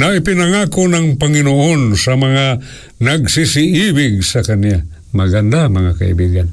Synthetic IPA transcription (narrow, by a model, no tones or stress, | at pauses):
naipinaŋakonaŋpaŋinoʔonsamaŋa | naɡsisiʔibɪɡ̚sakanija | maɡand̪amaŋaka̰ḭbiɡan